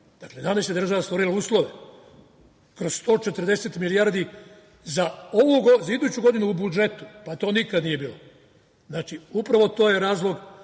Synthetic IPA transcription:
d̪̥akled̪anesad̪r̩ʒaʋast̪ʋo̞ɾilauːslˠo̞ʋe̞ | kɾozst̪o̞ːt͡ʃet̪r̩d̪e̞set̪miliaːɾd̪i | zaoʋuɡozaid̪uːt͡ɕuɡo̞d̪inuːbud͡ʒe̞t̪u̥pat̪o̞ːnikad̪nije̞biːlo | znaːt͡ʃiupɾaʋo̞t̪o̞ːjeɾaːzlˠo̞ɡ

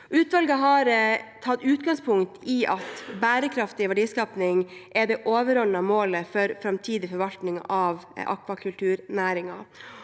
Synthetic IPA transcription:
ʔʉːt̪ʋɑlɡəɦɑɾt̪ʰɑt̪ːʉːt̪ɡɑŋspʰʊŋt̪iʔɑt̪bæːɾəkʰɾɑft̪ɪʋæɖiːskɑːpnɪŋʔɛd̪ɛʔoːʋəɾɔnːəmoːləfɔɾfɾɑmt̪ʰiːd̪ɪfɔɾʋɑlt̪nɪŋɑʋʔɑ̰kʋɑkʰʉlt̪ʰʉːɾnæːɾɪŋɑ̰

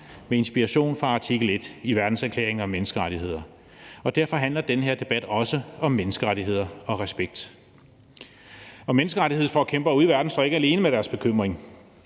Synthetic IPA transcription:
mee̝nsb̥iɑɕo̝̰ːnfʁɑ̈æt͡sʰeɡ̥əl̩e̝d̥iʋæɐd̥n̩sæɐkʰlḛːɐeŋɒ̽mːenəsɡ̥əʁaɾ̥iɦe̝ð̰ˠɐ | ɒ̽d̥æɐ̰fɒ̽ɦæn̰lɐd̥enəɦe̝ɐd̥e̝b̥æd̥ɒ̽səɒ̽mːenəsɡ̥əʁaɾiɦe̝ð̞̰ˠɐɒ̽ʁɛsb̥eɡ̥̚d̥ | ɒ̽menəsɡ̥əʁaɾie̝ð̞̰ˠfɒækʰemb̥ɐɒuðˠiʋæɐd̥n̩sd̥ɒ̰ːe̝ɡ̥əæle̝ːnəmeɾ̥æɐsb̥e̝kʰøm̰ʁeŋ

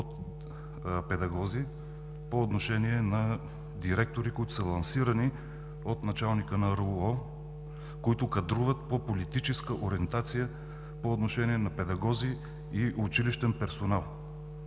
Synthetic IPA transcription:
ot̪ | pɛd̪ɐɡɔzi | poːt̪noʃɛniɛnɐ | d̪iɾɛk̚t̪oɾikoit̪ʊ̥səlˠɐnsiɾəni | ot̪nɐt͡ʃalˠnikənɐɾɔ | koit̪ʊkɐd̪ɾuvət̪̚popolit̪it͡ʃɛskəʔoɾiɛnt̪at̪sijə | poːt̪noʃɛniɛnɐpɛd̪ɐɡɔzi | iʔʊt͡ʃiliʃt̪ɛnpɛɾsonalˠ

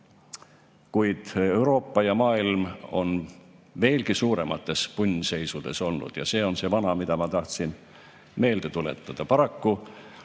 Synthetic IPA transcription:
kujd̪̥e̞uɾo̞ːpːɑjɑmɑːilmo̞nve̞ːlkisuːɾe̞mɑt̪ːˑe̞spunʲːse̞jsud̪̥e̞̰so̞lnːṵd̪̥jɑ̰se̞ːo̞nse̞vɑnɑmid̪̥ɑmɑt̪ɑht̪sin | me̞ːld̪̥e̞t̪ulḛt̪ˑːɑd̪̥ɑpɑɾɑkːu

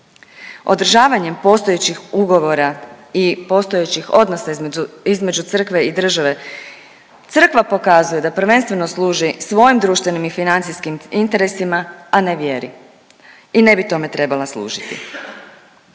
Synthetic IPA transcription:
o̞d̪r̩ʒaːʋaɲe̞mpo̞st̪oje̞t͡ɕixuɡo̞ʋo̞ɾaipo̞ːst̪o̞jet͡ɕixo̞d̪no̞saizme̞d͡ʒut̪sr̩kʋe̞id̪r̩ʒaʋe̞ | t̪sr̩kʋapo̞kazuje̞d̪apr̩ʋe̞nst̪ʋe̞no̞sluːʒisʋo̞jimd̪ɾuːʃt̪ʋe̞nimifinant̪sijskimint̪e̞ɾe̞simaaneʋje̞ɾḭ | ine̞bit̪o̞me̞t̪ɾe̞balaslˠṵːʒit̪ḭ

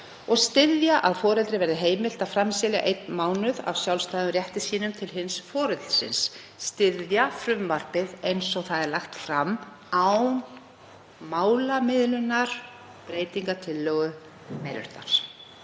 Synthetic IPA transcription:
ɔɣst̪ɪðjaʔaðfɔːɾɛlt̪ɾɪvɛɾðɪɦeːjmɪl̥t̪aðfɾamsɪlja̰ʔejt̪nmaːwnʏða̰vsjawlst̪aːjðʏmrjɛht̪ɪsiːnʏmt̪ʰɪlɦɪnsfɔːɾɛt̪l̥sɪ̰nsː | t̪ɪðjafɾʏmvar̥pɪðejnsɔɣθaðɛɾlaxt̪fɾamː | aw | maːwlamɪðlʏnːaɾ̥ | pɾeːjt̪iŋkat̪ʰɪlːœːɣʏ | meɾʏ̰ɾ̥t̪a̰ɾ̥

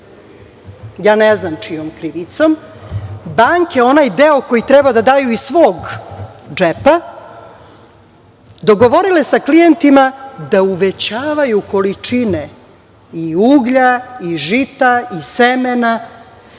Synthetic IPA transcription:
jaːneznamt͡ʃijomkɾiʋit̪so̞m | baŋke̞o̞najd̪eoko̞jit̪ɾɛbad̪ad̪aːjuisʋoːɡ | d͡ʒepa | d̪o̞ɡo̞ʋo̞ɾile̞saklijent̪imad̪auʋet͡ɕaːʋajuko̞lit͡ʂine | iuɡʎaiʒit̪aisemena

